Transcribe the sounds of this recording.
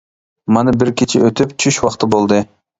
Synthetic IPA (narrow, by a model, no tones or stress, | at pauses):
mɑnɨbɪɾkʲit͡ʃʰɪøt̪ʰypt͡ʃʰyʃwɑχt̪ɨbolˠd̪ɨ